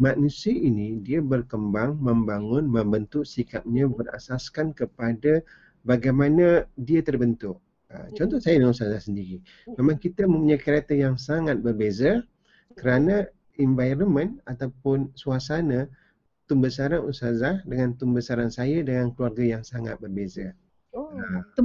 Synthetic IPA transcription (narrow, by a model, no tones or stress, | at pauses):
maʔnusiəʔinidiabərkəmbaŋməmbaŋʊnməmbənt̪ʊʔsikap̚ɲãbəra̰saskankəpada | baɡajmanadiat̪ərbənt̪ʊʔ̚ | ə̰t͡ʃɔnt̪ɔsajadəŋanust̪azahsəndiɾi | memaŋkit̪əmə̃mpuɲajkəɾet̪əjaŋsaŋat̪̚bərbeza | kəɾana | invajɾəmə̃nat̪awpʊnsuasana | t̪umbəsaɾanusazahdəŋant̪umbəsaɾansajadəŋankəluarɡajaŋsaŋa̰t̪̚bərbeza